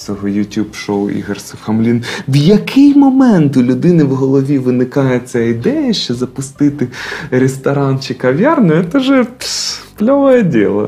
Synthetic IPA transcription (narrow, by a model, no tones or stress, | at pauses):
sʲɔɦɔjʊtʲubʃowḭɦersʲɪfxɐmlʲinwjɐkʰɪjmɔmɛnt̪ʊlʲʊd̪ɪnɪwɦɔlˠɔʋʲiʋɪnɪkɑjɛt̪sʲaid̪ɛjɐʃt͡ʃɛzɐpʊst̪ɪt̪ɪɾʲest̪ɐɾɑnt͡ʃɪkɐʋʲjɑrnʊjʊt̪ɛʒɛpsplʲɔʋɔjɛdʲilˠɐ̰